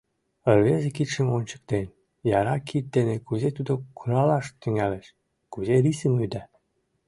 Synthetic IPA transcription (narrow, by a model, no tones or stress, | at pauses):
ərβezekit̪ʃə̆monʲt͡ɕə̥̆kt̪en | jɑɾɑkʰit̪̚d̪enekuzet̪ud̪okuɾɑlɑʃt̪yŋæleʃ | kuzeɾisəmyd̪æ